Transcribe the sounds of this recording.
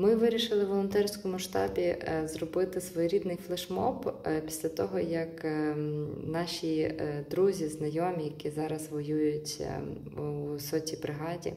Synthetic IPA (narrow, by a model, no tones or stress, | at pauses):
mɪʋɪɾʲiʃɪlˠɪʋɔlˠɔnt̪ɛrsʲkɔmʊʃt̪ɑ̰bʲizrɔbɪt̪ɪsʋɔjɾʲid̪nɪjflˠɐʃmɔppʲi̥sʲlʲɐt̪ɔɦɔjɐk | nɑʃʲid̪ɾuzʲiznɐjɔmʲijɐkʲizɑɾɐzʋɔjujʊtʲ | usɔtʲibɾɪɦɑdʲḭ